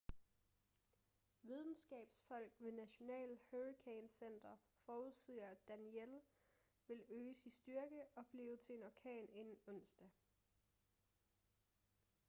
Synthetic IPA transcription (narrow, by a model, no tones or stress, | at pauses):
ʋið̞ˠn̩sɡ̥ɛ̰ːb̥sfɒ̽l̰ɡ̥ʋe̝næɕo̝nɛ̰ːləhøʁikʰeɪnsen̰d̥ɐ | fɒːuðˠsið̰ˠɐæd̥æniel | ʋe̝løːsinsd̥yɐɡ̥əɒ̽b̥liːʊt͡sʰe̝nɒkʰɛ̰ːne̝nn̩ɔ̽n̰sd̥æ